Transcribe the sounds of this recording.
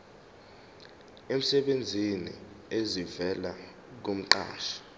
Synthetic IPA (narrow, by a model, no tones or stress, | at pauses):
em̩sɛɓend͡zʱinḭ | ezivɛla | k̬um̩ǃa̰ːʃḁ